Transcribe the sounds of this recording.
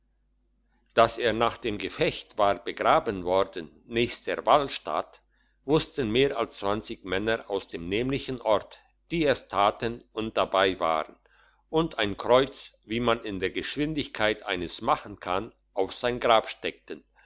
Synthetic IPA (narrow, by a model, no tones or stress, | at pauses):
d̥aseːɐnaːχd̥eːmɡəfɛçtv̥aːʁbəɡʁaːbənvɔʁdən | nɛːçstd̥eɐvalʃta̰t | v̥ʊstən̩meːɐʔalst͡sv̥ant͡sɪçmɛnɐʔaʊsd̥eːmnɛːmlɪçn̩ʔɔʁt | d̥iːɛstʰaːtənʊnt̚d̥abaɪva̰ːʁən | ʔʊntʰaɪnkʁ̥ɔʏt͡sviːmanɪndeːɐɡəʃv̥ɪndɪçkʰaɪtʔaɪnəsmaχn̩kʰan | ʔaʊfz̥aɪnɡʁaːpʃtɛk̚tən